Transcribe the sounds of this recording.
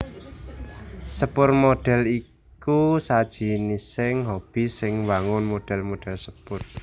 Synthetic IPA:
səpʊrmoɖ̥ɛ̤li | kusad̥ʒ̥i̤nisɪŋɦob̥i̤sɪŋwaŋʊnmoɖ̥ɛ̤lmoɖ̥ɛ̤lsəpʊr

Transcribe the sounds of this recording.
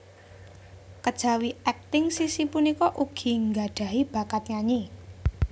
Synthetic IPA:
kəd̥ʒ̥ä̤wiɛk̚t̪ɪŋsisipunikɔʔuɡ̥i̤ŋɡaɖ̥a̤ib̥a̤kat̪̚ɲaɲi

